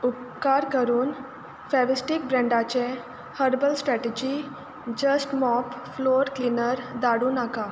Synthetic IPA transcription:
up̚kaɾkəɾuːn | fɛʋisʈik̚bɾɛ̃ɳɖat͡ɕẽ | həɾbəlsʈɾɛʈed͡ʑi | d͡ʑəsʈmɔpfloɾklinəɾd̪aɽuːnaka

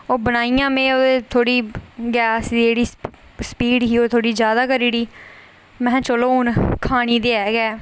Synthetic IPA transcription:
oːbənaːijãːmẽːoːd̪eːt̪ʰoːɽiːɡɛːsiːd͡ʒeːɽiː | spiːɖɦiːoːt̪ʰoːɽiːzjaːd̪aːkəɾiːɽiː | mɛ̃ːt͡ʃəloːɦũːnkʰaːɽ̃iːd̪eːɛːɡɛː

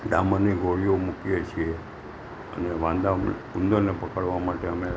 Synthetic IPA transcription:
ɖaməniɡʱoɽijomukijet͡ʃʰie | ə̰neʋãnd̪a | und̪əɾnepəkəɭʋamaʈeəme

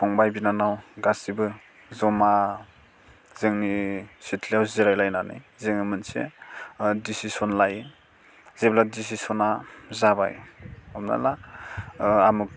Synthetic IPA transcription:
tʰɔŋbajbinanawɡasibɯ | zɔma | z̥ɯŋnisitʰliawziɾajlajnanɯ̰jzeŋnimɯnsḛ | disisɔnlaj | z̥ebladisisɔnazaba̰jɔmna̰la | amuk̚

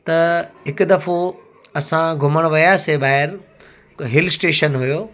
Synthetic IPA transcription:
t̪ɐɦɪkʊd̪ɐfo | ɐsãɡʱʊməɽ̃ʋɐjaːsebaːɦɪɾ | ɦɪlsʈeːʃənɦujoː

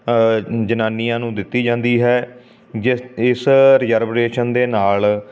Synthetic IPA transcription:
d͡ʒənaːniːãːnũːd̪ɪt̪ːiːd͡ʒãːnd̪iːɦɛː | ɪsɾɪjəːɾbɾeːʃənd̪eːnaːl

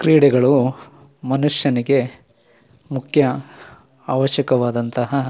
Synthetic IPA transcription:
kɾiːɽɛɡɐɭu | mɐnuʂjɐniɡe̞ | mukʰjɐ | aːʋɐʃjɐkɐʋaːd̪ɐnt̪ɐɦɐ

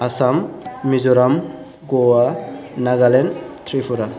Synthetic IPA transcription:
asamːizɔɾam | ɡɔwanaɡalent̪ʰɾipʰuɾa

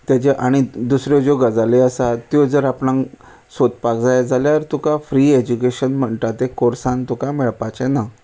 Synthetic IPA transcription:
t̪jat͡ɕeʔaɽ̃id̪usɾjɔd͡ʑoɡəd͡zaleəsat̪jɔd͡zəɾapnãŋ | sot̪pakd͡zajad͡zaljaɾt̪ukafɾied͡ʑukeɕənm̤əɳʈ̪at̪ekoɾsãnt̪ukameɭpat͡ɕɛna

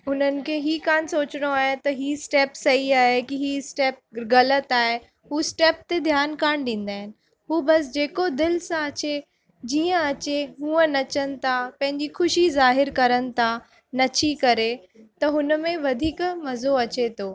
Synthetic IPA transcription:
ʊn̤ənɪ̆kʰeːɦiːkaːnsoːt͡ɕɪɽ̃oaːɦet̪ɐɦiːsʈeːpsɐɦiaːɦekiɦiːsʈɛːp̚ɣɐlət̪aːɦe | ɦuːsʈeːp̚t̪ed̪ʱjaːnkaːɽ̃ɗĩːn̆d̪aːɦɪnɪ̆ | ɦuːbɐsd͡ʑeːkod̪ɪlsãɐt͡ɕe | d͡ʑiːə̃ɐt͡ɕeɦũːə̃nɐt͡ɕənɪ̆t̪ʰapɐ̃ɦɪ̃ɲd͡ʑixʊʃizaːɦɪɾkɐɾənɪ̆t̪ʰa | nɐt͡ɕʰikɐɾet̪ɐɦʊnəmẽʋɐd̪ʱiːkmɐzoɐt͡ɕet̪ʰoː

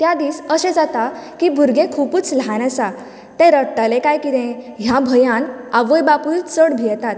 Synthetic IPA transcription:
t̪jad̪iːsəsɛ̃d͡zat̪akibʱuɾɡẽkʰupuːt͡slɦañasa | t̪ːɛ̃ɾəʈalekajkit̪ɛ̃ | ɦjabʱəjãn | aʋəjbapult͡səɽbʱijɛt̪at̪

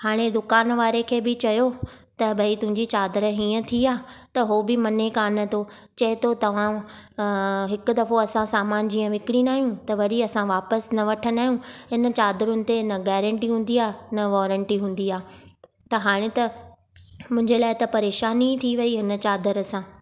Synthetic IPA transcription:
haːɽ̃ed̪ʊkaːnʋaːɾekʰeːbɪt͡ɕɐjot̪ɐbɐit̪ʊ̃ɦɪ̃ɲd͡ʑit͡ɕaːd̪əɾɦiːə̃t̪ʰiaːt̪ɐɦobɪmɐnekaːnə̆t̪ʰot͡ɕɐɦɪt̪ot̪ɐʋ̤ã | ɦɪkʊ̆d̪ɐfoɐsãsaːmaːnd͡ʑiːə̃ʋɪkɪɽĩnaːɦijũt̪ɐʋɐɗiɐsãʋaːpəsnɐʋɐʈʰənaːijũɦɪnə̆t͡ɕaːd̪əɾʊ̃nɪ̆t̪enɐɡɛːɾə̃ɳʈiɦũːn̆d̪iaːnɐʋɔːɾə̃ɳʈiɦũːn̆d̪iaːt̪ɐɦaːɽ̃ẽt̪ɐ | mʊ̃ɦɪ̃ɲd͡ʑelaːɪt̪ɐpɐɾeːʃaːnit̪ʰiʋɐiɦɪnə̆t͡ɕaːd̪əɾəsãː

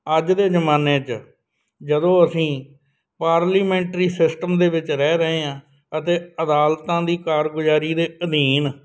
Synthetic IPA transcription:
əd͡ʒd̪eːd͡ʒəmaːneːt͡ʃ | d͡ʒəd̪õːəsĩː | paːɾliːmɛ̃ːɳʈɾiːsɪsʈəmd̪eːʋɪt͡ʃɾɛːɾəɦeːãː | ət̪eːəd̪aːlt̪ãːd̪iːkaːɾɡʊd͡ʒaːɾiːd̪eːəd̪iːn

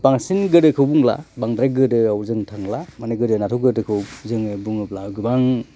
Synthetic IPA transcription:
paŋsinɡɯdɯkʰɯwbuŋla̰baŋdɾaɡɯdɯawzɯŋtʰaŋlamaneɡɯdɯnatʰuwɡɯdɯkʰɯwzɯŋɯbuŋɯp̚lawɡɯbaŋ

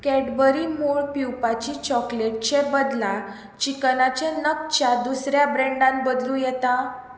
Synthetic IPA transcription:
kɛɖbəɾimuɭpiwpat͡ɕit͡ɕɔkleʈ̚t͡ɕebəd̪la | t͡ɕiknat͡ɕenək̚t͡ɕad̪usɾjabɾɛ̃ɳɖãnbəd̪lũjɛt̪a

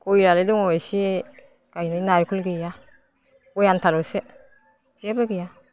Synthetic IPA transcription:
kojɾaledɔŋɔasi | kajnɯjnaɾkʰɔlɡija | kɔjantʰalɔse | z̥ebaɡija

